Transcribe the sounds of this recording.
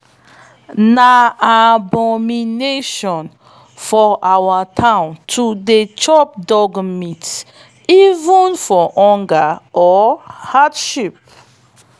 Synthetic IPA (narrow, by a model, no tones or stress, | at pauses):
naabɔmineʃɔ̃n | fɔʔawatʰãʊ̃ntʰudet͡ʃɔp̚dɔɡmit | ivũnfɔʔɔ̃ŋɡaʔɔhatʃip̚